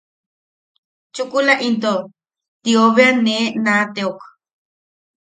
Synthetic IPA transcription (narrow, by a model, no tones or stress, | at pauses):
t͡ʃukulaʔint̪̬o | t̪ioβeanenat̪eok